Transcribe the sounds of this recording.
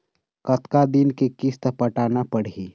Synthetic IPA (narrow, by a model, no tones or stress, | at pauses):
kət̪kad̪inkekist̪əpəʈaːnapəɽ̤i